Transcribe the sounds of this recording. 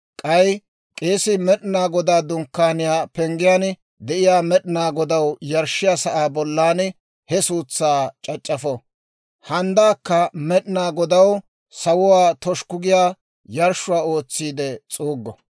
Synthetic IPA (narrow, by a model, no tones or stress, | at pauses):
kʼɐj | kʼe̞ːsɪmɛɗnaːɡɔd̪aːd̪ʊŋkːaːnɪjaːpɛŋɡɪjaːn | d̪ɛʔɪjaːmɛɗɪnaːɡɔd̪ɐwjɐɾʃːɪjaːsɐʔaːbɔlːaːn | hɛsuːt͡sːaːt͡ʃʼɐt͡ʃʼːɐfɔ | hɐnd̪aːkːɐmɛɗnaːɡɔd̪ɐw | sɐwʊwaːt̪ɔʃkʊɡɪjaː | jɐɾʃʊwaːo̞ːt͡sːiːd̪ɛt͡sʼuːɡːɔ